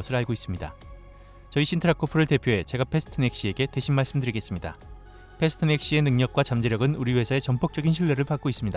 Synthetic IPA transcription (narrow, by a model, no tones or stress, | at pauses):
ʌsʰɯɾaɭɡois͈ɯmɲida̰ | t͡ɕʌiɕʰintʰɾakʰopʰɯɾɯɭte̞pʰjoɦe̞t͡ɕe̞ɡapʰe̞sʰtʰɯne̞k̚ɕ͈ie̞ɡe̞teɕʰinmaɭs͈ɯmdɯɾiɡe̞s͈ɯmɲida̰ | pʰe̞sʰɯ̥tʰɯnek̚ɕ͈ie̞nɯŋɲʌk̚k͈wat͡ɕamd͡ʑe̞ɾjʌɡɯnuɾiwe̞sʰae̞t͡ɕʌmpʰok̚t͡ɕ͈ʌɡinɕʰiɭːeɾɯɭpak͈ois͈ɯmɲida